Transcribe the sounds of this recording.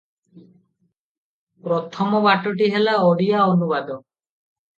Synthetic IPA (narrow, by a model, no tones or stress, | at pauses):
pɾɔt̪ʰɔmɔbaʈɔʈiɦelaɔɽijaɔnubad̪ɔ